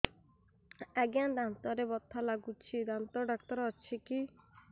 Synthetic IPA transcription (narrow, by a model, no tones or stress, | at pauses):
ɛɡjãnd̪ant̪ɔɾebɔt̪ʰːalaɡut͡ʃʰid̪ant̪ɔɖakt̪ɔɾɔt͡ʃʰiki